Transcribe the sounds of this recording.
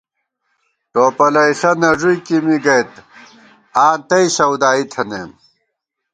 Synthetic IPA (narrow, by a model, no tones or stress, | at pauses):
ʈoːpɐlɐjsɐnɐʐujkimiɡɐjt̪ | aːt̪ɐiɕɐwd̪aːit̪ʰɐnḛːm